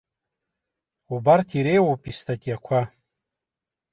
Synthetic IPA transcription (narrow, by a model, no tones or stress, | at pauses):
ubartʰiɾe̞jwopʼistʰʼakʲʼjakʷʰa